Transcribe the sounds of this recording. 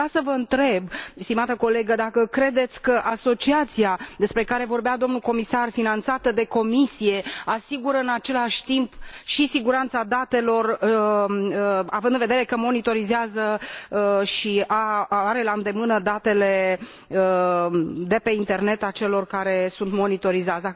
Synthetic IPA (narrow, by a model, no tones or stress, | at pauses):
asəvəɨnt̪ɾe̞bst̪imat̪əko̞le̞ɡəd̪akəkɾe̞d̪e̞t̪sʲkəʔaso̞t͡ʃiat̪siad̪e̞spɾe̞kaɾe̞vo̞rbead̪o̞mnulko̞misarfinant̪sat̪əd̪e̞ko̞misije̞asiɡuɾəɨnat͡ʃe̞laʃʲt̪impʃisiɡuɾant̪sad̪at̪e̞lo̞r | əavɨnd̪ɨnve̞d̪eɾe̞kəmo̞nit̪o̞ɾizeazə | ʃiaaɾe̞laɨnd̪e̞mɨnəd̪at̪e̞le̞ | ə | d̪e̞pe̞int̪e̞rne̞t̪at͡ʃe̞lo̞rkaɾe̞sunt̪mo̞nit̪o̞ɾizat̪sd̪a